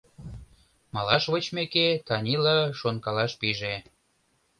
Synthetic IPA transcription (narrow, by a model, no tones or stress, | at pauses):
mɑlɑʃβət͡ɕmeket̪ɑnʲilɑʃonkɑlɑʃpiʒe